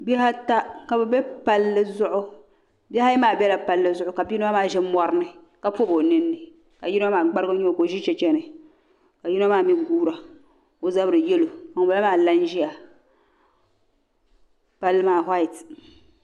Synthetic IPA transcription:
bɛ˦ha˦ta˦ka˨bɛ˨bɛ˦pa˦lːɨ˦zʊ˦ʔʊ˦ | bɛ˦ha˦ɛ˦maː˦˨bɛ˦la˨pa˨lːɨ˦zʊ˦ʔʊ˦ka˨bi˦nɨ˦a˦maː˦˨ʒɛ˦mɔ˨ɾɨ˦nɨ˨ | ka˦po˦bo˨nɨ˦nːɨ˨ | ka˨ji˦a˦maː˨ɡ͡ba˦ɾɨ˦ɡɨ˦ɲi˦o˨ko˨ʒi˦t͡ʃɛ˦t͡ʃɛ˦nɨ˨ | ka˨ji˦n˦a˦maː˦˨mi˦ɡuː˦ɾa˨ | o˨za˦bɾɨ˨jɛ˦lo˨a˨ŋ˨ba˨la˦maː˦˨la˦nʒi˦a˨ | pa˦lːɨ˦maː˦˨ɦa˦i˨t

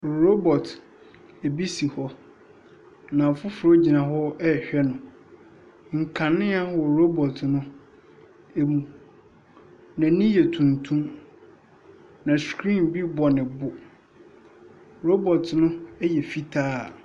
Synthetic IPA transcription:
ɾo˦bɔ˨t | ɛ˨bi˦si˨hɔ˦ | nã˨fʊ˦fʊ˨ɾɔ˦d͡ʑi˨nã˨hɔ˦ɛ˦˨ɕᶣɛ˦nʊ̃˨ | ŋ̩˨kʰã˨nɪ̃˦a˦wɔ˨ɾo˦bɔ˨tʰnʊ̃˦ | e˦mũ˨ | nã˨˦nĩ˦jɛ˨tʰũ˨ntʰũ˦m | nã˨skʰɾĩ˦˨mbi˦bɔ˨nɪ̃˨bʊ˨ | ɾo˦bɔ˨tʰnʊ̃˦ɛ˦jɛ˨fi˦tʰaː˦˨

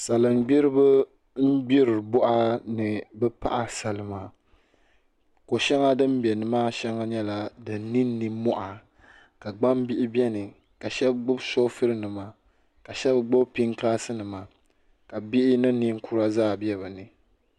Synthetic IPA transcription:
sa˨lɨ˨m˨ɡ͡bi˦ɾɨ˦bɨ˦ | m̩˦ɡ͡bi˦ɾɨ˨bɔ˦ʔa˦nɨ˨bɛ˦pa̰˦ʔa˨sa˨lɨ˨ma˨ | ko˨ʃɛ˦ŋa˦dɨ˦m˦bɛ˨nɨ˨maː˦ʃɛ˦ŋa˦ɲɛ˦la˨dɨ˨nː˦i˦nː˦i˨mɔ˦ʔa˨ | ka˨ɡ͡ba˦mbi˦ʔɪ˦bɛ˦nɨ˨ | ka˨ʃɛ˦b̚ɡ͡bʊ˦bso˦fɨ˦ɾɨ˦nɨ˨ma˨ | ka˨ʃɛ˦bɡ͡bʊ˦bpi˦ŋkaː˦sɨ˦nɨ˨ma˨ | ka˨bi˦ʔɪ˦nɨ˦ni˦ŋ̩˦kʰu˦ɾa˦zaː˦˨bɛ˦βɨ˨nɨ˨

